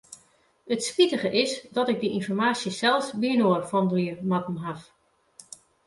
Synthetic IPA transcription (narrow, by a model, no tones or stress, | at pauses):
ətspitəχəʔɪsdɔtɪɡ̚dəʔinfɔrmaːsjəsɛlˠsʋiənoərfɔndəliərmatn̩ɦaf